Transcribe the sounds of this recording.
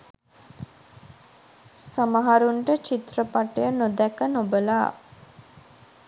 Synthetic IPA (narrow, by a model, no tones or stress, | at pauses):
samaɦaɾuɳʈət͡ʃit̪rəpaʈejənod̪ɛkənobəlaː